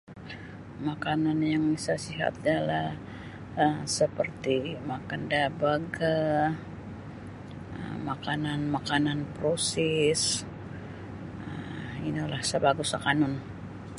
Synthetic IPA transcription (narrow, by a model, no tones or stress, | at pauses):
makananjaŋbisasiɦa̰t̪̚adala | əmsəpərt̪imakandabaɡa | ə̰makananmakananpɾosis | əinilahsəbaɡusakanʊn